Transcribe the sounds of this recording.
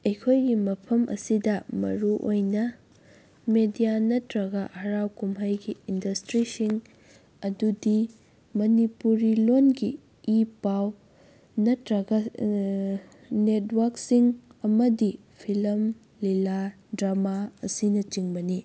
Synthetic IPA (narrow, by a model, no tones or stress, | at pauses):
ejkʰojɡimɐpʰɐmʔɐ̰sidɐmɐ̰ɾuʔojnɐ | medijanɐtɾɐɡɐhɐɾawkumɦajɡiindɐstɾisiŋ | ɐdudi | mɐnipuɾilonɡiː | paw | nɐtɾɐɡɐ | netʰwɐɾksiŋɐmɐdi | pʰilɐm | lila | dɾamaɐsinɐt͡ʃiŋbɐni